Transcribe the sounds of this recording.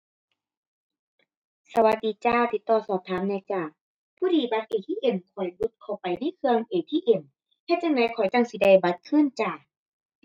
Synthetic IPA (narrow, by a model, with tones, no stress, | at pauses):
sa˧wa˧t̪̚diː˨˧˦t͡ɕaː˧˩t̪ʰiː˧t̪ɔː˧˩sɔː˧˩p̚t̪ʰaː˨˦mna˧jt͡ɕaː˧˩ | pʰuː˧˨diː˧˩ba˧t̪̚ʔeː˨˩t̪ʰiː˧˥˨ʔe˨˧˩mkʰɔ˨˩jbu˧˦t̪̚kʰa˨˧˩wpa˨jna˧˥˨kʰɯ˧əŋʔeː˨˩t̪ʰiː˧˨ʔe˧˩m | t̪ʰɛː˧˩t͡ɕa˧˩ŋna˧˦jkʰɔ˨˩jt͡ɕa˧˨ŋsi˧˦da˧˩jba˧˦t̪̚kʰɯː˧˥˨nt͡ɕaː˧˩